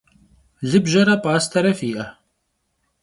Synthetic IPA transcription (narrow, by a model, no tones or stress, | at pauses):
lɨbʒɐɾɐpaːst̪ʰɐɾɐfiːʔɐ